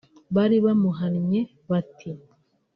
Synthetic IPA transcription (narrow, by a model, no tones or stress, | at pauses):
βaɾiβamuɦanɲe | βatʰi